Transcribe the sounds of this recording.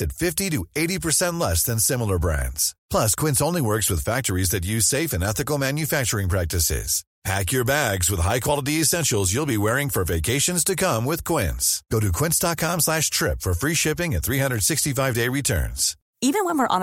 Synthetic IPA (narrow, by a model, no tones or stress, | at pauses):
ɨtfɪftiɾɨeɪɾipə˞sɛ̃nʔˡlɛsðɨ̃nsɪ̃ml̩ˠə˞bɹæ̰̃ndz̥pʰl̥ʌskʰw̥ɪ̃nsõʊ̃nliwɜ˞kswɨð̥fæk̚tə˞izðɨt̬̚jʉz̥seɪfɨ̃nɛθɨkl̩ˠmæ̃njɨfæk̚t͡ʃə˞ɪ̃ŋpʰɹ̥æk̚tɨsɪ̰z̥ | pʰæ̰kjə˞bæɡzwəð̥ɦaɪkʰw̥ɑlˠəɾiɨsɛ̃nʃl̩ˠzjulˠbiwɛɹɪ̃ŋfə˞veɪkʰeɪʃɨ̃nz̥tʰɨkʰʌ̃mwɪð̥kʰw̥ɪ̰̃ntsɡ̥oʊɾɨkʰw̥ɪ̃ntsd̥ɑt̚kʰɑ̃mslæʃtʰɹ̥ɪpfə˞fɹiʃɪpɪ̃ŋɨ̃t̪θɹihʌ̃ndɹə˞d̥sɪkstifaɪvdeɪɹitʰɜ̰̃˞nz̥ | ivɨ̃nwə̃nwɪɹʔə̃n